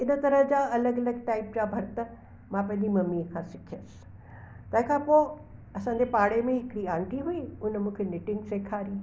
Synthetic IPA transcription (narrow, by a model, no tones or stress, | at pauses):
ɪnət̪ɐɾəɦd͡ʑaːɐləɡɐləɡ̚ʈaːɪp̚d͡ʑaːbʱɐɾt̪ə | mãːpɐ̃ɦɪ̃ɲd͡ʑimɐmikʰãsɪkʰijəsɪ̥ | t̪ɐ̃ɦɪ̃kʰãːpoː | ɐsãːɲd͡ʑepaːɽemẽɦɪkɽiãːɳʈiɦuiʊnmũːkʰenɪʈɪ̃ŋɡseːkʰaːɾĩː